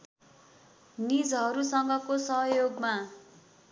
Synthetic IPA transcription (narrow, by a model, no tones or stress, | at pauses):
nid͡zɦʌɾusʌŋɡʌkosʌɦʌjoɡma